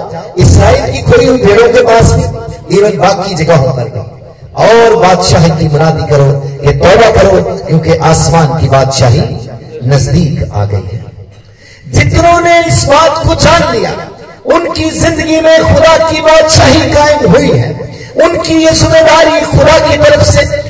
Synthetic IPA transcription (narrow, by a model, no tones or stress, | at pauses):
ɪsɾaːiːlkikʰoːɾiũb̪ʱeːɽõkepaːsmẽiːʋənbaːkid͡ʒɐɡaɦõkɐɾɡɐi | ɔːɾbaːd̪ʃaːɦikimʊɾaːd̪ikɐɾoket̪ɔːbakɐɾokjõːkeʔaːsmaːnkibaːd̪ʃaːɦinɐzd̪iːka̰ːɡɐ̰ḭɦɛ̰ː | d͡ʒɪt̪nõneɪsbaːt̪kod͡ʒaːnlija̰ː | ʊnkizɪ̃nd̪əɡimẽxʊd̪akibaːd̪ʃaːɦikaːɪmɦʊiɦɛ̰ː | ʊnkijesʊd̪ed̪aːɾixʊd̪akit̪ɐɾəfse